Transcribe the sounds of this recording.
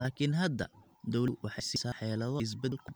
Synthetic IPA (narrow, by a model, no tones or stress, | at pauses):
aːkʰinɦɐd̪ːɐ̰ | d̪ɔwwɑħɑjsɪsaħɛːlɐðɔs̬bɛlkʰʊ